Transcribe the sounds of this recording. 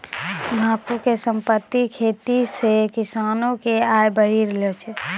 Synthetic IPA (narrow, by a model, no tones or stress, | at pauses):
mʱaːkukesə̃mpət̪ːikʰeːt̪isekɪsaːnõkeaːjbəɽ̤iɾlot͡ʃʰɛ